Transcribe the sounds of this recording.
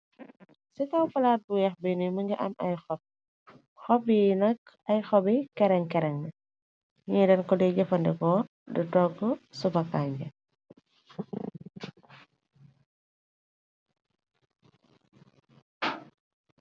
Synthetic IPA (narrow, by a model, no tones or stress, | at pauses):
sitɐwfɐlaːt̚bujɐxbinimɐŋɡiʔɐnʔɐjxɔp̚ | xɔpjinɐk̚ | ɐjxɔbikɛɾɛŋkɛɾɛŋnɐ | ŋɛdɛnkɔdɛɟɛfɐndɛkɔ | dutɔɡɔsubɐkːaːɲɡɐ